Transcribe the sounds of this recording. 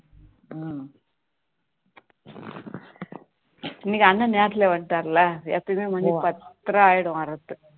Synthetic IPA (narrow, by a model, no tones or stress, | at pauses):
ɪnːikːɐnːɐneːɾt̪ɪleːʋɐɳɖʈaːɾlɐḛːt̪ːɯkmeːmɐnːipɐt̪ːɾɐaːjɪɽʊ̃ɐɾɐt̪ːɯ